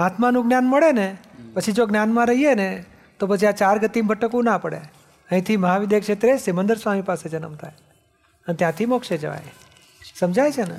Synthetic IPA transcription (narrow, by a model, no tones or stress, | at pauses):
at̪manũɡnjanməɽenepət͡ʃʰid͡ʒoɡnjanmãɾəɦiene | t̪op̬ət͡ʃʰiat͡ʃaɾɡət̪imbʱəʈːəkũnapəɽḛ | ə̃ɦĩt̪ʰiməɦaʋɪd̪ekʃet̪ɾesemənd̪əɾsʋamipased͡ʒənə̰mt̪ʰaj | ənet̪jãt̪ʰimokʃed͡ʒəʋa̰j | səmd͡ʒʱajt͡ʃʰenḛ